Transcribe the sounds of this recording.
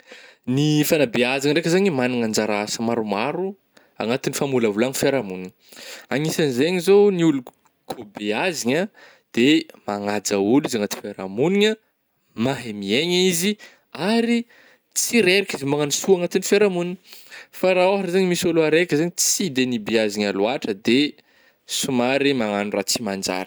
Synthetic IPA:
nifanabeaziŋəɳɖ͡ʐekʲəzaɲimaniŋand͡ʒaɾaasəmaɾumaɾu | a̰ŋat̪inifamulavulaŋifeɾamuniɲ | aŋisanzeaɲizowniulu | kʰobeaziɲə | d̪̥emaŋad͡zaulizaŋat̪i̥feɾa̰muniɲə | maɦemieɲizi | aɾi | t͡siɾeɾikʲizimaŋanisuaŋat̪inifeɾamuniɲifaɾaoɦaʈ͡ʂzaɲimisoluaɾekʲəzeɲit͡sid̪enibeaziɲalwaʈ͡ʂəd̪e | sumaɾimaŋanurat͡simand͡ʒa̰ɾi̥

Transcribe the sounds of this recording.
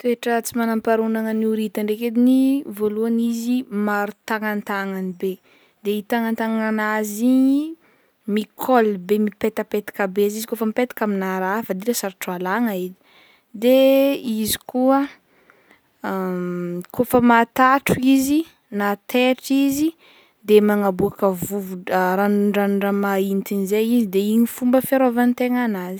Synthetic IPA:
t̪ueʈ͡ʂət͡simanampaɾunaŋəniuɾit̪aɳɖ͡ʐeked̪inivoluanizimaɾut̪aŋant̪aŋanibe | d̪eit̪aŋant̪aŋanazi | mikʰɔlbemipet̪əpet̪i̥kabeazizikofəmipet̪i̥kaminaɾafad̪ilasaɾʈ͡ʂualaŋaid̪i̥ | d̪eizi̥kuə | a | kofəmat̪aʈ͡ʂuizi | nat̪eʈ͡ʂizi | d̪emaŋabuakəvuvuɾanuɳɖ͡ʐanuɳɖ͡ʐamaint̪inizejizid̪eiɲifumbəfeɾovant̪eŋanazi̥

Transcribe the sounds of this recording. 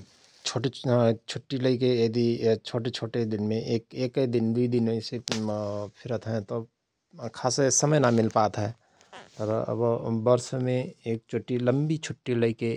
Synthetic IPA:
t͡ʃʰoːʈet͡ʃʰʊʈːiləikeəd̪it͡ʃʰoːʈet͡ʃʰoːʈed̪ɪnmẽʔeːkeːkd̪ɪnd̪id̪ɪnẽse | pʰɪɾət̪ɦɛ̃t̪o | kʰaːsesəməjnamɪlpaːt̪ɦɛː | pəɾə̰bbəɾsmẽeːk̚t͡ʃʰʊʈːilə̃mbit͡ʃʰʊʈːiləike

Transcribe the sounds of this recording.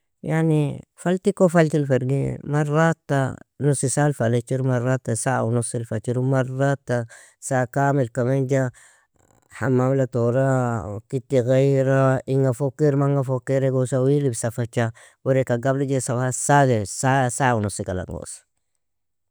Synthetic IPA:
jaʕnifalt̪ikofalt̪ilfaɾɡḭmarat̪ːa̰nusisalfalet͡ʃiɾmarːat̪ːasaunusilfat͡ʃiɾumarat̪ːa | sakaːmilkamend͡ʒa | hamːamlat̪oɾakit̪ːiɣajɾaiŋafokːiɾmaŋɡafokːiɾeɡosawilibsafat͡ʃːa | wuɾekaɡablad͡ʒesabasad̪esasaunusikala̰ŋɡo̰sḁ

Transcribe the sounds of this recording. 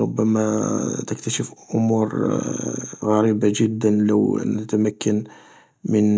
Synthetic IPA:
ɾʊbːæmæt̪əkt̪æʃəfʔʊmuɾ | ɣæɾibaʒəd̪ːənləwnət̪æmækːən | mən

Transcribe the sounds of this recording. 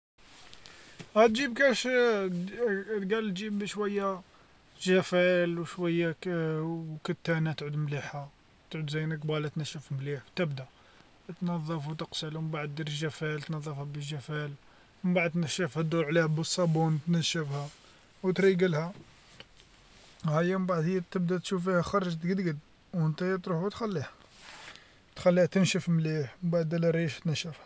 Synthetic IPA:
hæt̪d͡ʒibkæʃ | ɡælt̪d͡ʒibəʃwæjːæ | ʒæfælwʃwæjːa | kət̪ːænæt̪ʕud̪mliħæ | t̪ʕud̪zæjnək̚bɑlæt̪næʃːəfmliħt̪əbd̪æ | t̪nɑðˤːɑfwt̪əqsəlwmmbaʕd̪̚d̪iɾʒæfælt̪nɑðˤːɑfhæbəʒːæfæl | mbaʕəd̪̚t̪næʃəfhæd̪uɾʕlihæbəsˤːɑbunt̪næʃəfhæ | wt̪ɾiɡəlhæ | hæjːæməbaʕəd̪həjːæt̪əbd̪æt̪ʃufihæxɑɾˤɑʒt̪ɡəd̪ɡəd̪ | wənt̪æhjæt̪ɾuħut̪xælːih | t̪xælːiht̪ənʃəfmliħmbaʕd̪ælæɾiʃt̪næʃəfhæ

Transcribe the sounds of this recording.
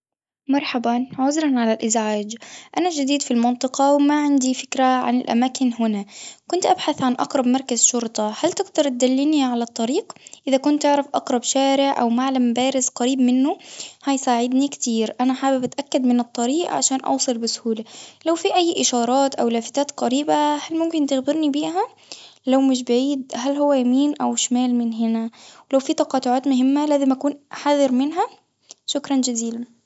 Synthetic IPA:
mɑɾˤħabanʕʊzɾˤɑnʕalalʔɪzʕaːd͡ʒʔanad͡ʒad̪iːd̪filmɑnt̪ˤɨqɑwmaʕɪnd̪ifɪkɾaʕa̰nɪlʔa̰maːkɪnɦʊnakʊnt̪ʔabħaθʕanʔɑ̰qɾˤɑbmɑɾˤkazʃʊɾt̪ˤɑhalt̪ɪɡd̪ɑɾˤt̪̚d̪alːiniʕalat̪ˤːɑɾiːqʔɪðakʊnt̪ʔɪʕɾˤɑfʔɑqɾˤɑbʃaːɾɪʕʔa̰wmaʕlambaːɾɪzqaɾiːbmɪnːʊhajsaːʕɪd̪nikt̪iːɾʔanaħaːbɪbat̪ʔakːad̪mɪnɨt̪ˤːɑɾiːʔa̰ʕaʃaːnʔɑ̰wsˤɨlbɪsʊ̥huːlalawfiʔajːʔɪʃɑːɾˤɑːt̪ʔawlaːfɪt̪aːt̪qɑɾiːbahalmʊmkɪnt̪ɪxbɪɾnibiːʔɦa | lawmɪʃ̬baʕiːd̪̚ɦalhʊwːajamiːnʔawʃmaːlmɪnɦɪnawɪlawfit̪ɑqɑːt̪ʊʕaːt̪mʊɦɪmːalaːzɪmʔakuːnħaðɪɾmɪnɦa | ʃʊkɾˤɑnd͡ʒaziːla

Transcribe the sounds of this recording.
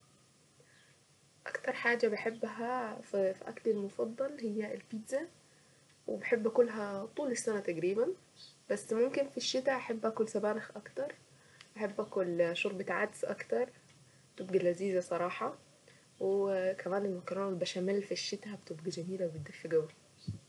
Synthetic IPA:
ʔæ̰kt̪ɑɾˤħaːd͡ʒæbeħebːɦæffiʔæ̰klelmofɑd̪ˤːɑlhejːæelpiːt̪zæ | webeħebːækolːɦæt̪ˤuːlesːænæt̪æɡɾiːbæn | b̥æsːmomkenfiʃːɪt̪æʔaħebːʔækolsæbæːnɪxʔɑkt̪ɑɾˤ | ʔaħebːʔæːkolʃoɾˤbet̪ʕad̪sʔɑ̰kt̪ɑɾˤ | et̪ebɡilæziːzæsˤɑɾˤɑːħɑ | wekæmæːnelmɑkɑɾˤɑnbæʃæmælːfiʃːɪt̪æbet̪ebɡid͡ʒæmiːlæwebet̪̚d̪ɪfːeɡæwæ

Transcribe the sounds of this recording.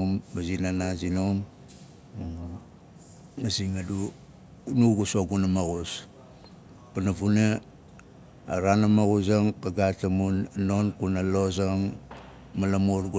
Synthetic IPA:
mːazinanazinom | mŋ | asiŋadu | nuɡusoɡunamaɡus | panavuna | ɾanamaɡusaŋkaɡatamunnonkunaloz̬aŋ | malamuɾɡu

